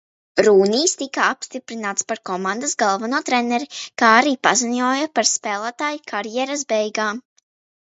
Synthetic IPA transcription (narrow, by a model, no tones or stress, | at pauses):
ɾuːniːst̪ikaapst̪ipɾinaːt̪spaɾkɔmãnd̪asɡalˠvanuːt̪ɾɛnɛɾikaːaɾiːpaziɲɔːjapaɾspɛːlˠaːt̪aːjkʰaɾjɛɾasbɛjɡaː